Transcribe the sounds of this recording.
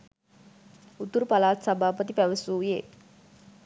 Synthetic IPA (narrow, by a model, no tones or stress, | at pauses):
ut̪uɾupalaːt̪sabʱaːpət̪ipæʋəsuːje